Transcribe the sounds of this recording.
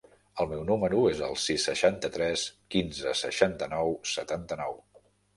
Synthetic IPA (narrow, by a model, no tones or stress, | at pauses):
əlˠmɛwnuməɾuezə̰lˠsisːəʃant̪ət̪ɾɛskinzəsə̰ʃant̪ənɔwsə̰t̪ant̪ənɔw